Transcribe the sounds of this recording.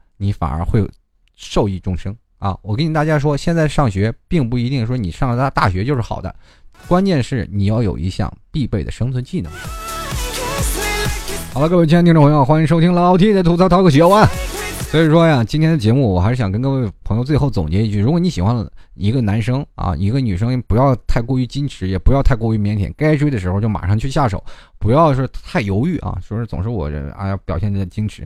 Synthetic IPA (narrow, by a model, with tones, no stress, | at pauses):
ni˧˥fa̰˨˩nʔə̰˞˧˥xwe˥˩˨ | ʂo˥˧ʊi˥˩ʈ͡ʂʊ˥ŋʂɤ˥ŋ | ɐ̰˧˩wɔ˨˩ke˧˥ni˨˩t̪a˥˩ja˥ʂ̬wɔ˥ɕjɛ˥˧nt͡sa˥˧ɪʂɑ˥˩ŋɕɥɛ˧˥pi˥˧ŋpu˥˩i˧˥t̪i˥˧ŋ˥ʂwɔ˥nḭ˨˩ʂɑ˥˩ŋlə˧˥˧t̪a̰˥˩ɕɥɛ˧˥t͡ɕjo˥˧ʊʂɻ̩˥˩xɑ̰˨˩d̪ə̰˦ | kwa˥nt͡ɕjɛ˥˧nʂɻ̩˥˩ni˨˩jɑ˥˩ʊjo̰˨˩ʊḭ˧˥ɕjɑ̰˥˧˩ŋpi˥˧pe˥˩ɪd̪ə̰˨˩ʂɤ˥ŋt͡sʰwə˧˥nt͡ɕi˥˩nə̰˨˩˦ŋ | xɑ˨˩la˧kɤ˥˩˧e˥˩t͡ɕ̪ʰpʰjo˥ʊ˩xwa˥ni˧˥ŋʂo˥t̪ʰi˥ŋlɑ˧˥ʊt̪ʰi˥ŋ˥˩t̪ʰu˧˥˩t͡sʰɑ˥ɑ˥ʊɡə˥˩ɕɥɛ˧˥wa˥˩swɔ˧˥i˨˩ʂwɔ˥˧ja˩t͡ɕi˥nt̪ʰjɛ˥nd̪ə˨t͡ɕjɛ˧˥mu˥˩wɔ˨˩xa˧˥ʂɻ̩˥˩jɑ˨˩ŋkə˥nkɤ˥˧we˥˩ɪpʰɤ˧˥ŋjo˧ʊt͡swe˧xo˥˩ʊt͡sʊ˨˩ŋt͡ɕɛ˧˥i˧t͡ɕʰy˥˩ɻu˧˥kwɔ˨˩ni˧˥ɕi˨˩xwa˧˥nlə̰˨i˧˥ɡə˧na˧˥nʂɤ˥ŋɐ̰˧˩i˧˥ɡə˧ny˨˩ʂ̬ɤ˥ŋ˧˥pu˧˥jɑ˥˧ʊt̪ʰa˥˧˩ɪkwɔ˥˧y˧˥t͡ɕi˥nʈ͡ʂʰɻ̩˧˥jɛ˨˩pu˧˥jɑ˥˧ʊt̪ʰa˥˧ɪkwɔ˥˧y˧˥mjɛ˧˥nt̪ʰjɛ̰˨˩nka˥ɪʈ͡ʂwe˥ɪd̪ə˩ʂɻ̩˧˥xo˧ʊt͡ɕjo˥˩ma̰˨˩ʂɑ˥˧ŋt͡ɕʰy˥˧ɕja˥˩ʂo̰˨˩˦ʊpu˧˥jɑ˥˧ʊʂ̩˥t̪ʰa˥˩ɪjo˧˥ʊy˥˩ʔɐ̰˧ʂ̩˥˩ʂ̩ɻ̩˥˩t͡sʊ̰˨˩ŋʂ̬ɻ̩˥˧wɔ̰˨˩˧jɑ˥˩pjɑ˨˩ʊɕjɛ˥˩ni˧˥d̪ə˧t͡ɕi˥nʈ͡ʂʰɻ̩˧˥